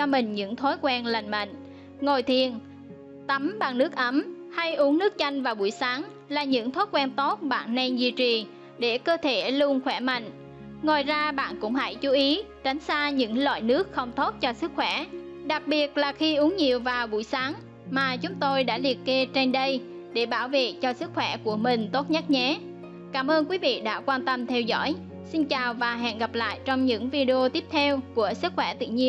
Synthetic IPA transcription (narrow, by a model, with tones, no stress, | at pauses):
t͡ɕɔ˧mï˨˩ŋ̟ɲɨ̰˧˥ŋt̪ʰo˨˦jkwɛ˧nla˨˩jŋ̟mə̰˧˨ŋ̟ | ŋo˨˩jt̪ʰi˨˩ən | t̪ə˨˦mɓa˨˩ŋnɨ˦˥ək̚ʔə˨˦m | ha˧jʔu˨˦əŋnɨ˦˥ək̚t͡ɕa˧jŋ̟vaː˨˩ɓṵ˧˩əjsaː˨˦ŋ | laː˨˩ɲɨ̰˧˥ŋt̪ʰo˨˦jkwɛ˧nt̪o˦˥t̚ɓa̰ː˧˨nːɛ˧nzḭ˧˨t͡ɕi˨˩ | ɗe˧˩kəː˧t̪ʰe˧˩lu˧ənxwɛ˧˩ma̰˧˨jŋ̟ | ŋo˨˩jzaː˧ɓa̰ː˧˨nkʊ̰˧˥ŋ͡mha̰˧˩jt͡ɕu˨˦ʔi˨˦ | t͡ɕa˨˦jŋ̟saː˧ɲɨ̰˧˥ŋlwa̰ː˧˨jnɨ˦˥ək̚xə˧wŋ͡mt̪o˦˥t̚t͡ɕɔ˧sɨ˦˥k̚xwɛ˧˩ | ɗa˨˩k̚ɓi˨˩ət̚laː˨˩xi˧ʔu˨˦əŋɲi˨˩əwvaː˨˩wɓṵ˧˩jsaː˨˦ŋ | maː˨˩t͡ɕʊ˨˦ŋ͡mt̪o˧jɗa̰ː˧˥li˨˩ət̚kːe˧t͡ɕe˧nɗə˧j | ɗe˧˩ɓaː˧˩wvḛ˨t͡ɕɔ˧sɨ˦˥k̚xwɛ˧˩ku˧˩əmï˨˩ŋ̟t̪o˦˥t̚ɲə˦˥t̚ɲɛ˨˦ | kaː˧˩mʔəː˧nkwi˨˦vḭ˧˨ɗa̰ː˧˥kwaː˧nt̪ə˧mt̪ʰɛ˧wzɔ̰ː˧˥j | si˧nt͡ɕaː˨˩wvaː˨˩ɦɛ̰˧˨nɣa˨˩p̚la̰ː˧˨jt͡ɕɔ˧wŋ͡mɲɨ̰˧˥ŋvi˧ɗi˧o˧t̪i˦˥əp̚t̪ʰɛ˧wku˧˩əsɨ˦˥k̚xwɛ˧˩t̪ɨ̰˧˨ɲi˧ə